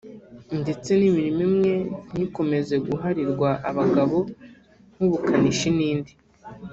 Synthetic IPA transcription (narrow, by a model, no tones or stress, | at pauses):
nde̞t͡se̞nimiɾimimŋe̞n̥iko̞me̞ze̞ɡuɦaɾiɾɡwaʔaβaɡaβo̞ | n̥huβukʰaniʃiniːndi